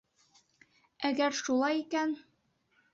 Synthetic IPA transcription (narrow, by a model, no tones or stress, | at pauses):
æɡæɾʃulˠɑjikæn